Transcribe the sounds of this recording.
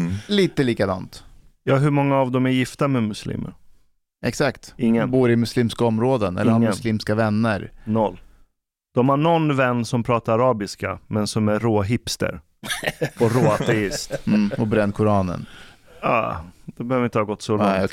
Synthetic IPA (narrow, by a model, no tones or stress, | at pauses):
liːt̪əliːkad̪ɑ̰ːnt̪ | jɑːɦɵmɔŋːaːvd̪ɔmæɾjɪft̪amɛmɵslḭːmə̰ɾ | ʔɛksakt̪ɪŋːəbuːɾɪmɵsliːmskaɔmɾoːd̪ənɛ̰sliːmskavɛnːə̰ɾnɔlː | d̪̥ɔmhaɳɔnvɛnːsɔmpʰɾɑːt̪aɾaɾɑːbɪskamɛnsɔmæɾoːɦɪpst̪ə̰ɾ | ɔɾoːaɛɪst̪ːɔbɾɛnːkʰʊɾɑːnə̰n | ɑ̰ːd̪̥ɛbɛhøːvəɾɪnt̪əhɑːɡɔt̪ːsɔlɛ